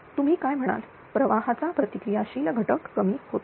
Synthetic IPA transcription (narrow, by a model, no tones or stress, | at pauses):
t̪um̤iːkajm̤əɽ̃a̰l | pɾəʋaɦat͡sapɾət̪ikɾijaɕiːlɡʱəʈəkːəmiːhot̪